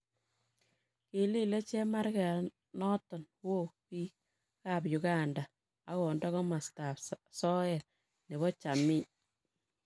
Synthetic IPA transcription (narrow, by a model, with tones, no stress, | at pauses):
ke˨li˦le˦t͡ʃɛ˦ma˦ɾkɛ˨ | nɔ˦tɔ˨n | wo˦˨pi˦ | ka˨pjʊ˨ɡa˦˨nda˨ | a˨˦kɔ˨ndɔ˦kɔ˦ma˨sta˨fsɔ˦ɛ˨t | ne˨βɔ˦t͡ʃa˨mɪ˦